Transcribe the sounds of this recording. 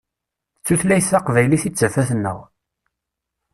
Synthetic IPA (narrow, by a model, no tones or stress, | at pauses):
t͡sːuθlæjəθɑqvæjliθit͡sːæfæθənːə̰ʁ